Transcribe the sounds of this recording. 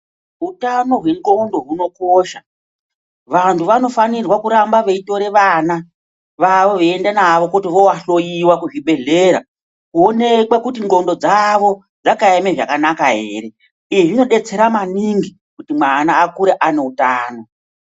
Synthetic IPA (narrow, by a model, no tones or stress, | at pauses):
ɦutano̞ɦweŋɡo̞ndo̞ɦuno̞koːʃa | ʋantʰuʋano̞fanirwakuɾambaʋeito̞ɾe̞ʋaːna | ʋaʋo̞ʋeendenaʋo̞kutiʋo̞waɬo̞jiwakuʐiɓe̞ɮe̞ɾa̰ | kuo̞ne̞kwakutiŋɡo̞ndo̞d͡zaʋo̞ | d͡zakaemeʐakanakaɦe̞̰ɾe̞ | iʐino̞ɗe̞t͡se̞ɾamaniŋɡi | kutimwanaːkuɾeʔane̞utaːno̞